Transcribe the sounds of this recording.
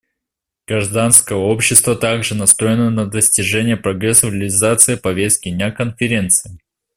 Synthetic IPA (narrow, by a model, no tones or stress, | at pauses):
ɡ̥ɾɐʐd̪anskəjəo̞pɕːɪst̪vət̪aɡʐɨnɐst̪ɾo̞jɪnənəd̪əsʲtʲɪʐɛnʲɪjəpɾɐɡɾɛsːəɾʲɪlʲɪzat̪sɨɪpɐvʲest̪̚kʲɪnʲakənfʲɪɾʲe̞nt̪sɨɪ